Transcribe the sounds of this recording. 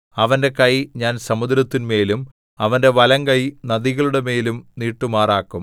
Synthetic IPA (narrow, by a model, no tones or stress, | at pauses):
ɐʋɐnde̞kɐjɲaːnsɐmud̪ɾɐt̪ːinme̞ːlum | ɐʋɐnde̞ʋɐlɐŋkɐjnɐðiɣɐɭuɽe̞me̞ːlumniːʈːumaːraːkːum